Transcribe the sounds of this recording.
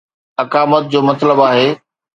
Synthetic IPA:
ɐkaːmət̪̚d͡ʑoːmɐt̪ləbaːɦeː

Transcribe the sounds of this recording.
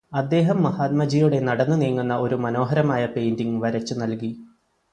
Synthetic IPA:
ɐd̪ːe̞ːɦɐmːɐhaːt̪̚mɐd͡ʑijuɽe̞nɐɽɐnːɨniːŋːunːɐʔo̞ɾumɐno̞ːɦɐɾɐmaːjɐpe̞jndiŋʋɐɾɐt͡ɕːunɐlki

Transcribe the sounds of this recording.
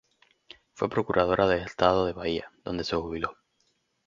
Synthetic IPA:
fwepɾo̞kuɾʔað̞o̞ɾaðelest̪að̞oðe̞βaiaðo̞nd̪e̞sexuβilo

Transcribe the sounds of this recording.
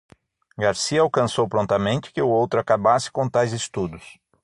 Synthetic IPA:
ɡaɾsiɐawkɐ̃sowpɾõnt̪ɐmẽnt͡ʃɪ̥kɪʊowt̪ɾʊakabasɪ̥kõt̪ajzɪst̪ud̪ʊs

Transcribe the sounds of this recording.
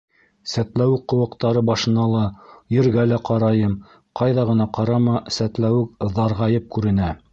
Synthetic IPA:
sæt̪læwɘk̚qːŏwɤ̆qt̪ɑɾɤbɑʃɤ̆nɑlˠɑjɘ̆ɾɡælæqɑɾɑjɤm | qɑjðɑʁɤ̆n̪ɑqɑɾɑmɑsæt̪læwɘk̚ðɑɾʁɑjɤp̚kʉɾɘ̆næ

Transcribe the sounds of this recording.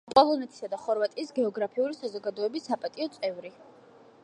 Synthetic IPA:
pʼɔlˠɔnɛt̪ʰi̥sad̪aχɔɾvat̪ʼiːsɡɛɔɡɾapʰiulisazɔɡad̪ɔɛbisːapʼat̪ʼiɔt̪sʼɛvɾi

